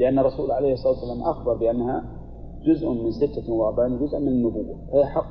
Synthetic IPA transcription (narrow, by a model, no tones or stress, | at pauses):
lɪʔanːɑrˤːɑsuːlʕalejhsˤɑˤlɑːt̪ːsalaːmʔaxbɑɾˤbɪʔanːha | d͡ʒʊzʔmɪnsɪt̪ːamʊwˤɑːb̪ˤand͡ʒʊzʔmɪnɪnːʊbuwːafajħɑ